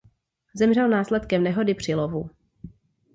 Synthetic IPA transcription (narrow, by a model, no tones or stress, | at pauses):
zɛmrɛlnaːslɛt̪kɛmnɛɦo̞dɪpr̝̥ɪlo̞vu